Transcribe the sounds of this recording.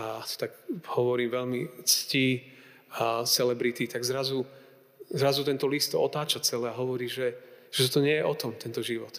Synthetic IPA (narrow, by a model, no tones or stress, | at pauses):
at̪ɔ̥t̪aɡhɔʋɔɾiːmʋɛlmit͡sci | sɛlɛbɾit̪it̪aɡzɾazu | zɾazut̪ɛnt̪ɔlist̪ɔ̰t̪aːt͡ʃat͡sɛlɛːaɦɔʋɔɾiːʒɛʒ̥ɛt̪ɔt̪ɔɲɪɛjɛʔɔt̪ɔmt̪ɛnt̪ɔʒiʋɔt̪